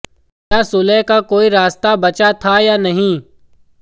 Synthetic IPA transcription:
jaːsʊlɛːkakoːiɾaːst̪abɐt͡ʃat̪ʰajaːnɐɦĩː

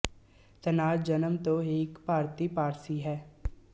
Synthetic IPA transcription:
t̪ənaːɾd͡ʒənəmt̪oeːkpaːɾt̪ipaːɾsiɦɛː

